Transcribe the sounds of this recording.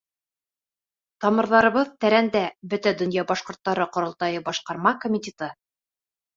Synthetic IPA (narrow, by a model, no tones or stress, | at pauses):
t̪ɑmɤ̆ɾðɑɾɤ̆βɤðt̪æɾænd̪æbɵt̪æd̪ɵ̆njɑbɑʃqŏɾt̪ːɑɾɤqŏɾŏlˠt̪ɑjɤbɑʃqɑɾmɑkomʲit̪ʲet̪ɤ